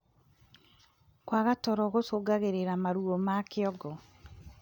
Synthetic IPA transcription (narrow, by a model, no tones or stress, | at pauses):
kwaɣatɔɾɔɣosoɡaɣeɾeɾamaɾuomakeɔɡɔ